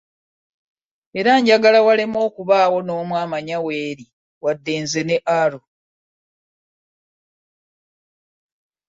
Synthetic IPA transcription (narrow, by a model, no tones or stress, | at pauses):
e̞ɾaɲɟaɡalawalemo̞ːkuβaːwo̞no̞ːmwaːmaɲawe̞ːɾi | wadːeːnze̞neʔalo